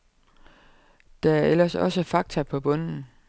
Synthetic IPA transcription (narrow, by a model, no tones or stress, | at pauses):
d̥ææɐel̰ɐsɒ̽səfɑ̈ɡ̥̚t͡sʰɐpʰɒ̽b̥ɔ̽n̰n̩